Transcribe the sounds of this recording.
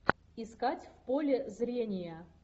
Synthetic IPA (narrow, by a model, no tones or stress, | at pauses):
ɪskatʲfpolʲɪzɾʲenʲɪjə